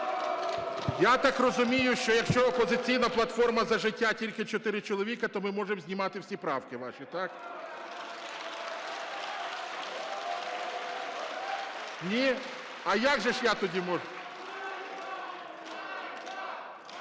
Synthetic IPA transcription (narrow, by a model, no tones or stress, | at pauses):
jat̪ɑkrɔzʊmʲijʊʃt͡ʃɔjɐkʃt͡ʃɔɔpɔzɪt͡sʲijnɐplˠɐt̪fɔrmɐzɐʒɪtʲːatʲilʲkɪt͡ʃɔt̪ɪɾɪt͡ʃɔlˠɔʋʲikɐt̪ɔmɪmɔʒemzʲnʲimɑt̪ɪwsʲipɾɑwkɪʋɑʃʲit̪ɑk | nʲi | ɐjaɡʒɛʃjat̪ɔdʲimɔʒ